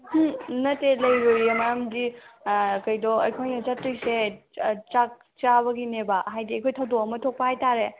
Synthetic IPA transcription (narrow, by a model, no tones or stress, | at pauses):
hnɐtelɐjɾojemajamdi | kɐjdɔɐjkʰojnɐt͡ʃɐtːujset͡ʃak̚ | t͡ʃabɐɡinebaɦajdiɐjkʰojtʰɐwdɔkɐmɐtʰok̚pɐhajtaɾe